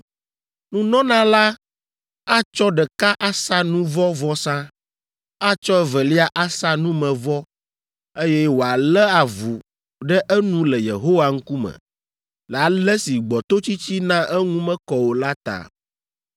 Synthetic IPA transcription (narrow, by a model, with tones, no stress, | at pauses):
nũ˦nɔ̃˦nã˦la˦ | a˦t͡ʃɔ˦ɖɛ˨ka˦ʔa˦sa˦nũ˦vɔ˦vɔ˦sã˦ | a˦t͡ʃɔ˦ɛ˦vɛ˨li˦a˦ʔa˦sa˦nũ˦mɛ̃˨vɔ˦ | e˦jɛ˦wo˨a˨lɛ˦a˨vu˨ | ɖɛ˦ʔɛ˦nũ˦lɛ˨jḛ˨ɦo˦wa˨ŋ̩˦ku˦mɛ̰̃˨ | lɛ˨a˨lɛ˦si˨ɡ͡bɔ˨t̪o˦t͡ɕi˦t͡ɕi˦nã˦ʔɛ˦ŋũ˦mɛ̃˦kɔ˨wo˨la˦t̪a̰˨